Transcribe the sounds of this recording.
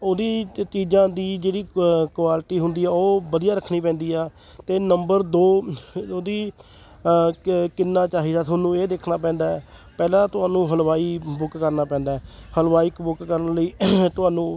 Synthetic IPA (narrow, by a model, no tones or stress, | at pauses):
oːd̪iːt͡ʃiːd͡ʒãːd̪iːd͡ʒeːɽiːkwaːlɪʈiːɦʊnd̪iːɛːoːbəd̪ijaːɾəkʰniːpɛ̃ːnd̪iːaː | t̪eːnəmbəɾd̪oːoːd̪iː | kɪnːaːt͡ʃaːɦiːd̪aːnũːeːd̪eːkʰnaːp̬ɛ̃ːnd̪aːɛpɛːlãːt̪ʊaːnũːɦəlʋaːiːbʊkːəɾnaːpɛ̃ːnd̪aːɛːhəlʋaːiːkbʊkːəɾənləiːt̪ʊɦaːnũː